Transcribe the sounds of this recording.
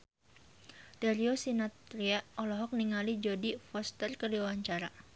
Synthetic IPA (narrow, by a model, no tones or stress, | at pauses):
daɾiosinat̪ɾiaɔlɔɦɔk̚niŋalid͡ʒodifɔst̪ərkərdiawaɲt͡ʃaɾa